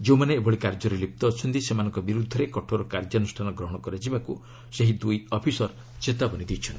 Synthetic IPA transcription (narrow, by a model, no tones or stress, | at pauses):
d͡ʒeũmaneːbɔɽikaɾd͡ʒɔɾelip̚t̪ɔːt͡ʃʰɔnt̪isemanɔ̃ŋkɔbiɾud̪ʱːɔɾekɔʈʰoɾɔkaɾd͡ʒɔnusʈʰanɔɡɾɔɦɔɽ̃ɔkɔɾad͡ʒibaku | seɦid̪ujɔpʰisɔɾ | t͡ʃet̪abɔnid̪it͡ʃʰɔnt̪i̥